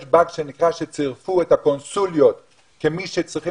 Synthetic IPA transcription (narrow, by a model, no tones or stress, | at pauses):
ʃbakʃenikʁaʃet͡siʁfuethako̞nsuljo̞t̪ | kemiʃet͡sʁiχi